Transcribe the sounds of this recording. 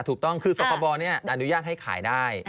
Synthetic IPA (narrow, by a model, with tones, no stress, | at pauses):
t̪ʰuː˨˩k̚t̪ɔ˥˩ŋkʰɯː˧soː˨˧˩paː˧bɔː˧ni˥˩ɐʔa˧nu˦˥jaː˥˩t̪̚ha˥˩jkʰa̰ː˩˦jdaː˥˩j